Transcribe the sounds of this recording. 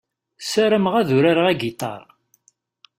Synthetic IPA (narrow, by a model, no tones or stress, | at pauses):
sæɾəmʁæðuɾaɾʁæɡit̪ˤɑ̰ɾˤ